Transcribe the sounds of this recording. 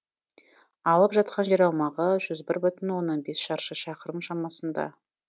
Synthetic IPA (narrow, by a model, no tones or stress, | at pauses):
ɑlˠəpʒɑt̪̚qɑnʒe̞ɾɑwmɑʁəʒʏzbɪɾbʏt̪ɪnwo̞nːɑnbe̞sʃɑɾʃəʃɑqəɾəmʃɑmɑsənd̪ɑ̰